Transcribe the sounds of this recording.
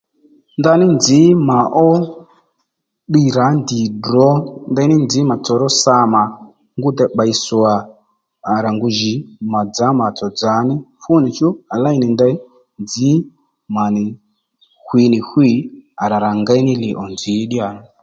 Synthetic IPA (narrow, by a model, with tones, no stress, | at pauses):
nda˧ni˦nd͡zi˨˦ma˨ʔɔ˦ | ɓi˦˨ɾa˨˦ndi˨drɔ˦nda˧˦i˦ni˦nd͡zi˨˦ma˨t͡sɔ˨ɾɔ˦sa˧ma˨ | ŋɡu˦t̪ɛ˨ɓa˨i˨sɔ˨aː˨ | ɾa˨ŋɡu˧ʒi˨˦ma˨d͡za˨˦ma˨t͡sɔ˨d͡za˨˦ni˦fu˦ni˨t͡ʃu˦a˨la˦i˦ni˨nda˦i˦ | nd͡zi˦ | ma˨ni˨ | hwi˨˧ni˨hwi˦a˨ɾa˨ɾa˨ŋɡa˦i˦ni˦li˨ʔɔ˨nd͡zi˨˦ɗi˦a˨˦ni˦